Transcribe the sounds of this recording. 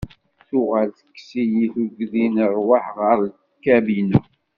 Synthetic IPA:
θʊʁalθə̥kːsijiθuɡðinəɾˤwaħʁəɾˤ | kːæbinu

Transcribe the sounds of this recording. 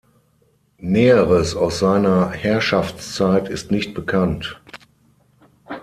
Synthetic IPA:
nɛːəʁəsaʊsz̥aɪnɐhɛɐʃaft͡st͡saɪtɪstnɪçt̚b̥əkʰant

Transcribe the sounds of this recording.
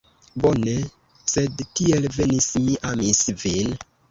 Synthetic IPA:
bo̞ne̞ | se̞dtielve̞nismiʔamisvin

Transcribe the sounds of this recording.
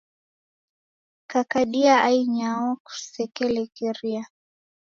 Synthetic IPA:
kakaɗiaʔaiɲaɔku̥sɛkɛlɛkɛɾia

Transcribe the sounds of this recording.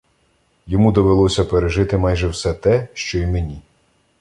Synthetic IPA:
jɔmud̪ɔʋelˠɔsʲɐpeɾeʒɪt̪ɪmɑjʒɛwsɛt̪ɛʃt͡ʃɔimenʲi

